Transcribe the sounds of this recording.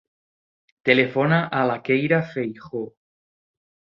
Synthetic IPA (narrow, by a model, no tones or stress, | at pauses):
t̪elefonaʔalakejɾafejxo